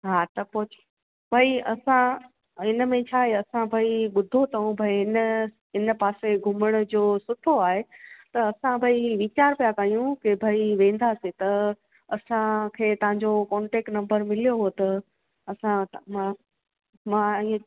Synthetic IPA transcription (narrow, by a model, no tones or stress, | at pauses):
ɦaːt̪ɐpoːt͡ɕ | bʱaːiɐsã | ɦɪnəmẽt͡ɕʰaːɦeɐsãbʱaiɓʊd̪ʱot̪ʰɐũbʱaiɦɪnə | ɦɪnpaːseɡʱʊməɽ̃̆d͡ʑoːsʊt̪ʰoaːɦet̪ɐɐsãbʱaiʋɪt͡ɕaːɾpijakaijũkebʱaːiʋẽːn̆d̪aset̪ɐ | ɐsãkʰeːt̪ɐʋ̤ãɲd͡ʑokɔ̃ːɳʈeːk̚ʈnɐ̃mbəɾmɪlijoɦot̪ɐ | ɐsãmã | mãĩː